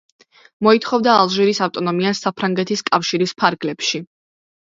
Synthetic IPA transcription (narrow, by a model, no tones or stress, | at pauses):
mɔit̪ʰχɔvd̪aːlˠʒiɾisaft̪ʼɔnɔmiasapʰɾaŋɡɛt̪ʰiskʼafʃiɾispʰaɾɡlɛpʃi